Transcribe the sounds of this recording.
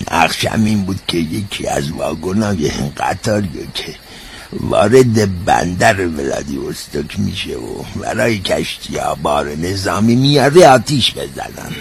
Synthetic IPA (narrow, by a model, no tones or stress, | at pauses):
næɣʃæ̰miːnbuːd̪̥kʲʰejekʰḭæzvɒːɡonɒːjeeŋɡæt̪ʰɒːɾijekʲʰe | vɒːɾe̞d̪ebæ̰nd̪æɾevelɑ̰ːd̪iost̪okʰmḭːʃḛo̰bæɾɒːjekʰæʃt̪ʰijɑːbɒːɾenezɑːmiːmijɒɾeɒːt̪ʰiʃbe̞zænæn